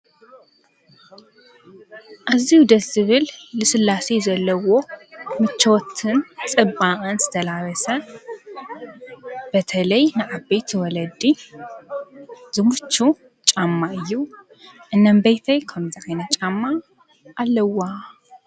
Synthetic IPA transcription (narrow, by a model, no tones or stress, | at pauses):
ʔazihud̪ɐt̪zɨβɨlːɨsɨlːasezɐlːɐwo̞mɨt͡ʃːot̪ʰɨnt͡sʼɨbaʔʼɨnzɨt̪ʰɐlaɾɐsɐ | b̥ɐt̪ʰɐlɐjnɨʕabejt̪ʰiwɔlɐd̪i | z̥ɨmut͡ʃːu | t͡ʃʼamːaʔɨjːu | ʔɨnːɐmbejt̪ʰɐjkʰɐmzɨʕajnɐt͡ʃʼamːa | ʔːlːɐwːa